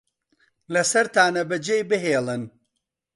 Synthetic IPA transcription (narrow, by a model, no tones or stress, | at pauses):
lɐsɐɾt̪aːnɐbɐd͡ʒejbɨɦeːlˠɨn